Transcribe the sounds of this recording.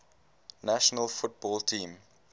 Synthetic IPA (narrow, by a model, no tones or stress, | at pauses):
naʃɔnəlfʊt̚bɔːltʰĩːm